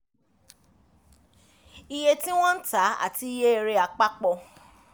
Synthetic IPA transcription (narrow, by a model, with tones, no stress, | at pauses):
i˧je˧tĩ˦w̃ɔ̃˦n̩˦ta˨˦a̰˦˨ti˧˦je˦e˧ɾe˧a˧k͡pa˦k͡pɔ˧